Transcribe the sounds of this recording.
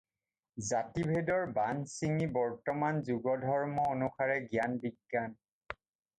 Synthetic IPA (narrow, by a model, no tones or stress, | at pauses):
zatibʱedɔɹbansiŋibɔɹtɔmanzuɡɔdʱɔɹmɔonukʰaɹɛɡjanbiɡːan